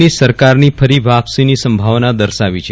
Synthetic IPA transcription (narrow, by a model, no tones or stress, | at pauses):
isəɾkaɾnifʰəɾiʋapsinisəmbʱaʋnad̪əɾʃaʋit͡ʃʰe